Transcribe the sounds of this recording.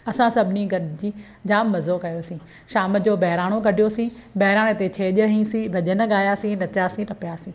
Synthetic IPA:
ɐsãsɐbʱɪniɡʱɐɗd͡ʑiː | d͡ʑaːmːɐzokɐjosĩː | ʃaːmə̆d͡ʑoːbɐɦɪɾaːɽ̃oɡʱɐɖʱijosĩːbɐɦɪɾaːɽ̃ɪt̪et͡ɕʰeːʄəɦĩsĩbʱɐʄənɐ̆ɠaːjasĩnɐt͡ɕaːsĩʈɐpijaːsĩː

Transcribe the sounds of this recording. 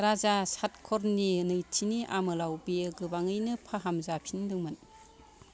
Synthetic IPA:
ɾazasat̚kʰɔɾninɯjtʰiniʔamɯlawbijɯɡɯbaŋɯjnɯpʰaɦamzapʰindɯŋmɯn

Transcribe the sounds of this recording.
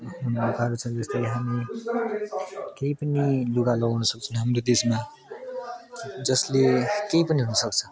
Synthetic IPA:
hunukaɾut͡sʰʌd͡zʌst̪ʌjɦami | kejpʌniluɡalʌɡawnʌsʌk̚t͡sʰʌnɦamrod̪esma | d͡zʌslekejpʌniɦunʌsʌk̚t͡sʰʌ

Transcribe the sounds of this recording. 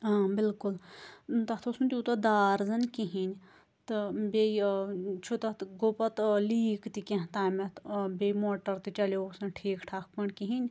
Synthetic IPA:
ãːbɪlkʊlt̪ɐt̪ʰosunt̪ʲiut̪ɐd̪aːɾzɐnkiɦinʲ | t̪ɨbeit͡ʃʰut̪ɐt̪ɡopɐt̪liːkt̪ikẽɦt̪aːmet̪bemoːʈɐɾt̪it͡ʃɐlosɐnʈʰiːkʈʰaːk̚ʰpɐɳkiɦinʲ

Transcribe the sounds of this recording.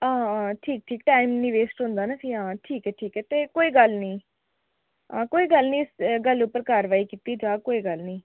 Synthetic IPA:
ãːʈʰiːk̚ʈʰiːk̚ʈaːɪmnɪʋeːsʈɦʊ̃nd̪aːnaːpʰiɦãːʈʰiːkɛːʈʰiːkɛːt̪eːkoːiːɡəlnĩː | ãːkoːiːɡəlnĩːɪsɡəlʊpəɾkaːɾʋaːiːkiːt̪iːd͡ʒãːkoːiːɡəlnĩː

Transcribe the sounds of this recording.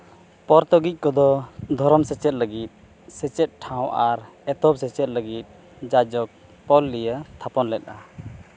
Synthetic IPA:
pɔɾt̪ɔɡic̚ˀkɔd̪ɔd̪ʱɔɾɔmsɛt͡ʃɛt̪̚ləɡit̪̚ | sɛt͡ʃɛt̪̚ʈʰãw̃ʔaɾɛt̪ɔbsɛt͡ʃɛt̪̚ləɡit̪̚ | d͡ʒad͡ʒɔk̚ | pɔlːijət̪ʰapɔnlɛt̪̚ʔa

